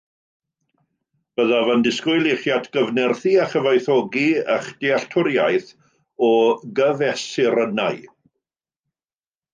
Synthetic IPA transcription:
b̥əðavəndɪskʊjlˠɪχjatʰɡ̥əvnɛrθiaχəvajθɔɡiə̰χd̥ɪaɬtʰʊɾjajθ | ɔɡəvɛsɪɾənaj

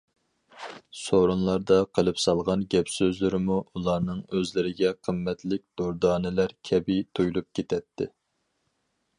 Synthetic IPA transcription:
soɾunlˠɑɾd̪ɑqʰəlˠɨpsɑlˠʁɑnɡʲɛpsøzlɪɾɪmuulˠɑɾnɨŋøzlɪɾɪɡʲɛqʰəmːɛt̪lɪk̚ʲd̪̥oɾd̪ɑːnɪlæɾkʲʰɛbit̪ʰojlˠup̚kʲʰet̪ʰɛt̪ʰːɪ̰

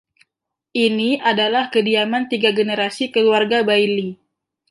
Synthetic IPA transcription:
ʔiniʔadalahkədiamant̪iɡaɡənəɾasikəluarɡabajli

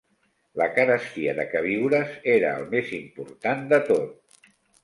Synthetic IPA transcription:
ləkənəst̪iəðəkəβ̞iwɾəzeɾəːlˠmezimpuɾt̪and̪ət̪ot̪̚

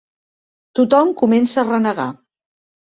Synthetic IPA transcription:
t̪ut̪ɔmkumɛnsəːrənəɣa̰

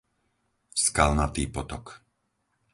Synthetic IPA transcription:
skalnat̪iːpɔt̪ɔk

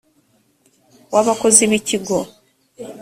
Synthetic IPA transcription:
waβakoziβiciɡo

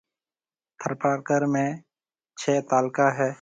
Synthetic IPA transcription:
t̪ʰəɾpaːɾkəɾmẽː | t͡ʃʰɛːt̪aːlkaːɦɛː

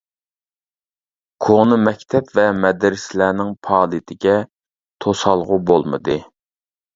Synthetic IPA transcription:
kʰoŋnɨmɛkʲt̪ʰɛpvɛmɛd̪ɾɪslæːnɪŋpʰɑːlˠit̪ʰɪɡʲɛ | t̪ʰosɑlˠʁʊbolˠmɨ̰d̪ɨ

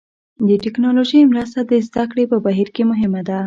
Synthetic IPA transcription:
d̪əʈɪknɑloʒəjmɾast̪ad̪əzd̪akɽepəbaɦiɾkemʊɦɪmad̪a

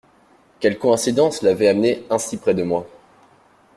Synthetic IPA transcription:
kʲɛlkɔɛ̃sid̪ɑ̃slavɛamneɛ̃sipχɛd̪əmwa

